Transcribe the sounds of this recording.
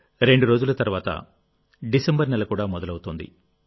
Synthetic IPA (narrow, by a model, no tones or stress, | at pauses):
ɾe̞ɳɖuɾo̞ːd͡ʒulɐt̪ɐɾuʋaːt̪ɐ̰ | ɖisembɐɾnɛlɐkuːɽaːmɔd̪ɐlɐwut̪oːnd̪ḭ